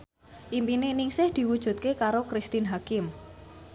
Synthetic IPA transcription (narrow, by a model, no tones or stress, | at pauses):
ʔimpinenɪŋsɪhd̪̥i̤wud̥ʒ̥ṳt̪̚kekaɾokɾist̪ɪnɦakɪm